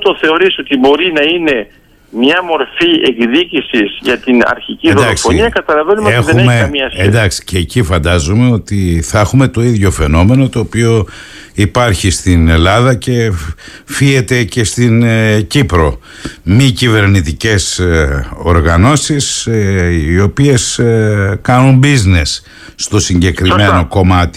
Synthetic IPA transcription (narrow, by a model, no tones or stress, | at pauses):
t̪oθe̞o̞ɾiso̞t̪ibo̞ɾinɐine̞ | mɲɐmo̞ɾfieɡðicisizʝɐt̪inɐ̰ɾçiciðod̪ɐoksfoniɐkɐt̪ɐlɐvenumeoetðeuemmeɐmiɐsend̪ɐksi̥ceːcifɐnd̪ɐzume̞o̞t̪iθɐexume̞t̪o̞iðʝo̞fe̞no̞me̞no̞t̪o̞ːpio̞ | ipɐɾçist̪ine̞lɐðɐce̞ | fie̞t̪e̞ce̞st̪incipɾo̞ | micive̞ɾnit̪ice̞s | o̞ɾɣɐno̞sis | io̞pie̞s | kɐnumbizne̞sː | t̪o̞siɲɟe̞kɾime̞no̞ko̞mɐt̪i̥